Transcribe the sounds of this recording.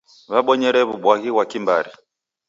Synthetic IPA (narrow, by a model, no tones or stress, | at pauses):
βaɓɔɲɛɾɛβuɓwaɣiwakimba̰ɾi